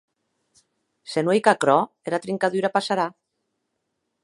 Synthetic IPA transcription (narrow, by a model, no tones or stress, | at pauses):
senwejkakɾɔ | eɾat̪ɾiŋkaðyɾapasaɾa